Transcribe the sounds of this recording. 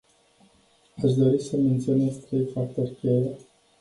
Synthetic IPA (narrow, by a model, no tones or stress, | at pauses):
aʃd̪o̞ɾisəme̞nt̪sionest̪ɾejfart̪orʲkʲele